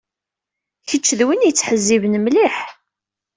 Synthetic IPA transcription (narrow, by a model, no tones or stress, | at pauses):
çət͡ʃːðwinjət͡sːħəzːivənmliħ